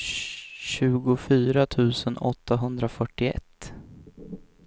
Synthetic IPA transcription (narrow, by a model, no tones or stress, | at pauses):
ɕʉ̟ːɡʊfyːɾat̪ʰʉ̟ːsənɔt̪ːaɦɵnd̪ɾafœʈːɪɛ̰t̪ː